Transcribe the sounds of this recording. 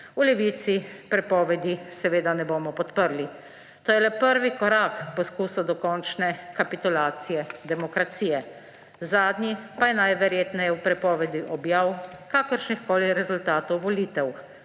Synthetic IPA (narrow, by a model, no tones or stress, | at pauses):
ulɛʋiːt̪sipɾɛpɔʋɛd̪isɛʋeːd̪anɛboːmɔpɔt̪pəɾli | t̪oːjɛlɛpəɾʋikɔɾakpɔskuːsɔd̪ɔkɔnt͡ʃnɛkapit̪ulaːt̪sijɛd̪ɛmɔkɾat̪siːjɛ | zaːd̪nʲipajɛnajʋɛɾjeːt̪nɛjɛwpɾɛpɔːʋɛd̪iʔɔbjaːwkaːkəɾʃnixkoːliɾɛzult̪aːt̪ɔwʋɔliːt̪ɛw